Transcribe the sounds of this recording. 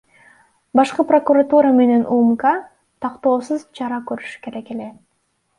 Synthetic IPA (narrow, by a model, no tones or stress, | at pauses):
bɑʃqɯpro̞kuɾat̪uɾame̞ne̞nʔumka | t̪ʰɑqt̪o̞ːsɯzt͡ʃʰɑɾɑkøɾyʃy̥ke̞ɾe̞ke̞le̞